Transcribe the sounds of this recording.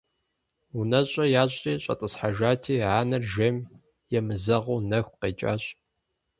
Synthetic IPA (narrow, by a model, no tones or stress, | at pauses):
unɐɕʼɐjaːɕʷʼiːɕʼɐ̰tʼɨsħaʒaːtʰiːʕaːnɐrʒɐm | jɛmɨzɐʁuːnɐxʷqeːt͡ʃʼa̰ːɕʼ